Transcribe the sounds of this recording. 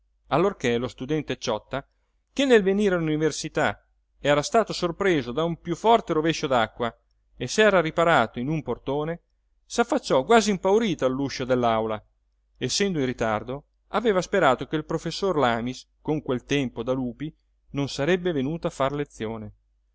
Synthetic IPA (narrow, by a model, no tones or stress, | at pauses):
alːorkelost̪ud̪ɛnt̪et͡ʃɔt̪ːa | kenːelveniːɾealuniversit̪a | ɛːɾast̪aːt̪osorpɾeːzod̪aumpjufːɔrt̪eɾoveʃːod̪akːwa | esɛːɾaɾipaɾaːt̪oinumport̪oːne | safːat͡ʃːɔɡwaːzimpawɾiːt̪alːuʃːod̪elːawla | esːɛnd̪oinrːit̪ard̪o | aveːvaspeɾaːt̪okeilpɾofesːorlaːmis | koŋkwelt̪ɛmpod̪aluːpi | nonsaɾɛbːevenuːt̪oafarlet̪sːjoːne